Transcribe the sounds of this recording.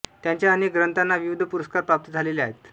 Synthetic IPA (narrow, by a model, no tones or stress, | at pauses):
t̪jaɲt͡ɕjaənek̚ɡɾənt̪anːaʋiʋud̪ʱəpuɾəskaɾpɾap̚t̪id͡zʱaleleaɦet̪